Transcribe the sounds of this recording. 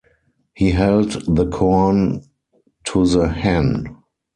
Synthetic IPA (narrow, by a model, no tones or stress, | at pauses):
hiːɦɛldðəkʰɔn | tʰuðəhæ̃n